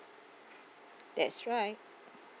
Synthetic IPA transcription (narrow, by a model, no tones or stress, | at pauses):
d̥ɛ̰tsɹaɪt̚